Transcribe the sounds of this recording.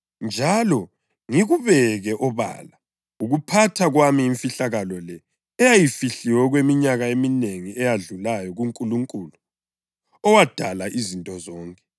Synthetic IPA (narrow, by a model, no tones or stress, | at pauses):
nd͡ʒʱalɔ | ŋiɣuβɛɣɛʔɔβa̰ːla | uɣupʰatʰaɣwamiːɱfiɬaɣalɔlɛː | jajifiɬiwɛɣwemiɲaɣaemineŋiɛjaɮulajɔɣuŋkʼuluŋkʼulu | ɔwad̥ʱalaʔizintʼɔzɔːŋkʼɛ̥